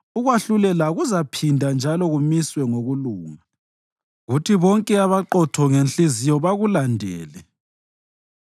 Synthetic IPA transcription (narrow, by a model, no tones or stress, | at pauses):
uɣwaɬulɛlaɣuzapʰindʱand͡ʒʱalɔɣumiswɛŋoɣuluːŋa | ɣutʰiβɔŋkʼɛaβaǃɔtʰɔŋent͡ɬʼizijɔβaɣulandʱɛ̰ːlɛ